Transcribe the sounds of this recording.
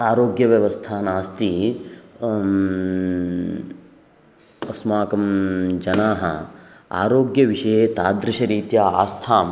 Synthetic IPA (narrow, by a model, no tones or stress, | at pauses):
aːɾoːɡjɐʋjɐʋɐst̪ʰaːnaːst̪i | ɐsmaːkɐmd͡ʒɐnaːɦɐ | a̰ːɾoːɡjɐʋiʃɐjet̪aːd̪ɾɪʃɐɾiːt̪jaːa̰ːst̪ʰaːm